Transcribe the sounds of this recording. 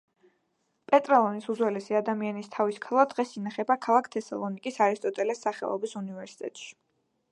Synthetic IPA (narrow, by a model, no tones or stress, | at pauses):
pʼɛt̪ʼɾɛlˠɔnisud̪zwɛlɛsiad̪amianist̪ʰaviskʰalˠad̪ʁɛsinaχɛbakʰalˠakʰt̪ʰɛsa̰lˠɔnikʼisaɾist̪ʼɔt̪ʼɛlɛsːaχɛ̰lˠɔ̰bisunivɛɾsi̥t̪ʼɛ̰t̪ʼʃi̥